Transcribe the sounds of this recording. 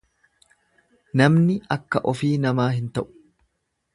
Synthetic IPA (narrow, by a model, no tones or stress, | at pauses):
nɐmnɪɐkːɐʔɔfiːnɐmaːɦɪnt̪ɐʔʊ̥